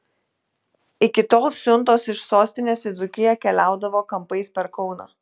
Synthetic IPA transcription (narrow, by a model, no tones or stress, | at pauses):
ɪkʲɪt̪oːlˠsʲʊnˑt̪oːsɪʃsoːsʲt̪ʲɪnʲeːsɪzʊkʲɪjɛkʲɛlʲæˑʊd̪ɐʋoːkɐmpɐɪspʲɛɾkɒʊnɑ̰ː